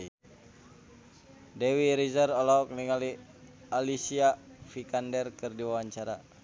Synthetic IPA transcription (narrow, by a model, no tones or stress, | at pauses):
dɛwiɾizərɔlɔɔk̚niŋali | alisiafikandɛrkɨrdiwawaɲt͡ʃaɾa